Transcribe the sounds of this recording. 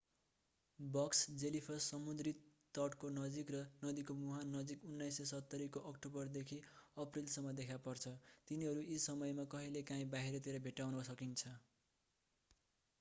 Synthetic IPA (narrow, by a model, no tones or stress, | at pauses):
bʌksd͡zelipʰʌsʌmud̪rit̪t̪ʌʈkonʌd͡zikrʌnʌd̪ikomuɦannːʌd͡zikunːajsesʌt̪ːʌɾikoʔʌkʈobʌrd̪ekʰiʌprilsʌmːʌd̪ekʰapʌrt͡sʰʌt̪iniɦʌɾuʔisʌmʌjmakʌɦilekãĩbaɦiɾʌt̪iɾʌbʱeʈawnʌsʌkint͡sʰʌ